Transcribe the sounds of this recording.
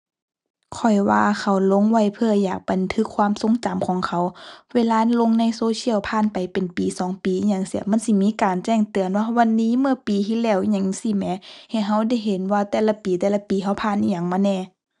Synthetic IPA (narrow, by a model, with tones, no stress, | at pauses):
kʰɔ˧˩jwaː˧kʰa˧˩wlo˧˥˨ŋwa˧˩˨jpʰɯ˧ɐjaː˨˩k̚ba˨nt̪ʰɯ˧˥kʰːwaː˧˥˨mso˧˥˦ŋt͡ɕa˨mkʰɔː˨˦ŋkʰa˧˩wweː˧˨laː˧˨˧lo˧˨ŋna˧˥˨jsoː˧˦sʰi˧ə˨wpʰaː˧˨npa˨jpe˨npiː˨˩sɔː˨˦ŋpiː˨˧ɲa˧˩ŋsi˧˩əma˧˥˨nsi˧˨miː˧˥˨kaː˨nt͡ɕɛː˧˩˨ŋt̪ɯ˨˩ənwaː˧wa˧˨nːiː˧˥˨mɯ˧ɐpiː˨t̪ʰiː˧˨lɛː˧˩˨wɲa˧˩ŋsi˧˩mɛ˧ha˧˩ɦa˧˥˨wda˧˩˨jɦe˨˦nwaː˧t̪ɛː˧˩la˧˥piː˨˩t̪ɛː˧˩la˧piː˨ɦa˧˩wpʰaː˧˨nʔiː˧˨ɲa˧˨ŋmaː˧˥˨nɛː˧˩˨